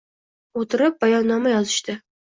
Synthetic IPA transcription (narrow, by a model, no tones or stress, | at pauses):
ot̪ʰɪɾɪp̚bajɒnːɒmajɒzɨʃt̪ɪ